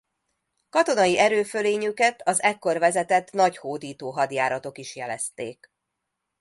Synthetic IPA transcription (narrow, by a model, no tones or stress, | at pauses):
kɒt̪o̞nɒjiʔɛɾøːføleːɲykɛt̪ɒzɛkːo̞rvɛzɛt̪ɛt̪nɒchoːd̪iːt̪oːɦɒd̪jaːɾɒt̪o̞kiʃjɛlɛ̰st̪ḛːk